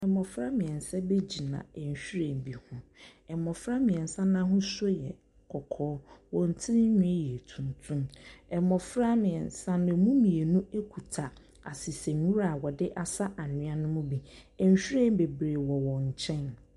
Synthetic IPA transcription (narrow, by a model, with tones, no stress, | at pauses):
ɛ˨mɔ˨fɾa˦mɪ̃˨ɛ˨n̩˨sɛ˦be˦d͡ʑi˨nã̰˨ɛ˨ɲ˨ɕᶣɾẽ˦˨m˨bi˨hʊ̃˦ɛ˨mɔ˨fɾa˦mɪ̃˨ɛ˨n̩˨sã˦nã˦ɦʊ̃˦so˦jɛ̰˨ | kʰɔ˨kʰɔː˦wɔ̃˨n̩˨tʰɪ˦ɲᶣʊ̃˦ɛ˦jɛ˨tʰũ˨n˨tʰũ˦mɛ˨mɔ˨fɾa˦mɪ̃˨ɛ˨nsã˦nʊ̃˨mũ˦mĩ˨e˨nũ˦e˦kʷʰu˨tʰa˨ | a˨si˨sɛ̃˨˦ũ˦ɾa˨wɔ˨dɪ˦ʔa˨sa˦ʔa˨nʊ̃˦a˦nʊ̃˦mʊ̃˦bi˦ɛ˨ɲ˨ɕᶣi˦ɾẽ˦˨m˦be˨bɾeː˨wɔ˨wɔ̃˨ɲ˨t͡ɕʰɛ̃˦n